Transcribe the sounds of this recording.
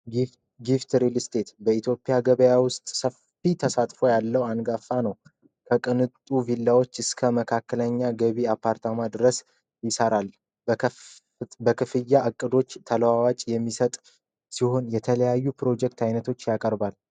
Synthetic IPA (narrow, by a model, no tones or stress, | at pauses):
ɡift̪ɾilst̪ʰe̞t̪bəit̪ʰjo̞pʼjaɡəβəjawʊst̪ʼsəf | it̪ʰəsat̪ʼfo̞jalːəwanɡafːanəw | kʰəkʼɨnɨt̪ʼuvilːawo̞t͡ʃːɨskʰəməkʰakːələɲːaɡəβiapʰːaɾt̪ʰamad̪ɨɾəs | jɪsəɾal | bəkʰɨfɨjːaʔɨkʼːɨd̪o̞t͡ʃːt̪ʰəlwawat͡ʃʼjɛmːisət̪ʼ | siho̞njɛt̪ʰələjajːupɾo̞d͡ʒɛk̚t̪ʰajnət̪ʰo̞t͡ʃːjakʼəɾbal